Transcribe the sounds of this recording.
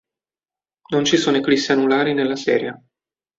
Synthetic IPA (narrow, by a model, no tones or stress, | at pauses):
nont͡ʃisoneklisːianulaːɾinelːasɛ̰ːɾja